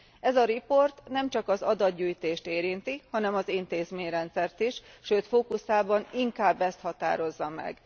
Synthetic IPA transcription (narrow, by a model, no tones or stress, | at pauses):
ɛzɒɾipo̞rt̪nɛmt͡ʃɒkɒzɒd̪ɒd̪ɟuːjt̪eːʃt̪eːɾint̪ihɒnɛmɒzint̪eːzmeːɲrɛnt̪sɛrt̪iʃʃøːt̪foːkusaːbɒniŋkaːbːɛst̪hɒt̪a̰ːɾo̞zːɒmɛ̰ɡ